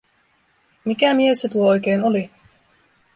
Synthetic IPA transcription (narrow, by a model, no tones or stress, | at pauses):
mikæmiesːet̪uoo̞jke̞ːnoli